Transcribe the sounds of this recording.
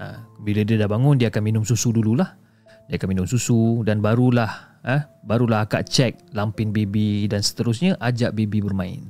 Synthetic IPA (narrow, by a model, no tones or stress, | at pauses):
a̰bilədiadahbaŋʊndiaakanminʊmsusudululah | diakanminʊmsusudanbaɾulahəhbaɾulaɦaka̰ʔt͡ʃɛk̚lampɪnbebidansə̥t̪əɾʊs̬ɲaʔad͡ʒaʔbebibərmãɪ̰n